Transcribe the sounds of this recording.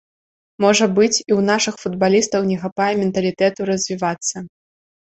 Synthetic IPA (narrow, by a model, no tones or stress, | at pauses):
mɔʐɐbɨt͡sʲiwnaʂɨxfud̪̚balʲist̪ɐwnʲɛxapajɛmʲɛnt̪ɐlʲit̪ɛt̪uɾɐzʲvʲivat̪sːɐ